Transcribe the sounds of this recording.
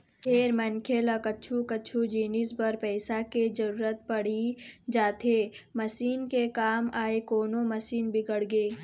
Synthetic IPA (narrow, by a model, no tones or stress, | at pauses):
pʰeːɾmɐnkʰeləkɐtːt͡ʃʰukɐtːt͡ʃʰud͡ʒiːnɪsbɐɾpɛːsaked͡ʒɐɾuːɾət̪̚pɐɽ̤id͡ʒaːt̪emɐsiːnkekaːmaːekoːnomɐsiːnbɪɡəɽɡeː